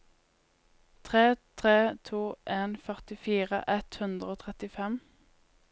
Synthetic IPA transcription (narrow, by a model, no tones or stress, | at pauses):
t̪ʰʁeːt̪ʰʁeːt̪ʰuːʔeːnfœʁt̪ɪfiːʁə̰ʔɛt̪hʉnd̪ʁəoːt̪ʰʁɛt̪ɪfɛm